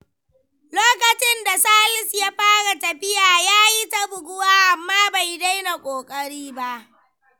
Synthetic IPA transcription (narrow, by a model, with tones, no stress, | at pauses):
loː˦kɐ˨t͡ʃɪ˦nda˨saː˦lɪ˦sjaː˦ɸaː˦ɽa˨tɐ˨ɸɪ˦jaː˨jaː˦ji˦ta˦bʊ˨ɡʊ˦waː˦ʔa˨mːaː˦ba˨jda˦jna˨kʷʼoː˨kʼɐ˦ɽiː˦ba˦ʔ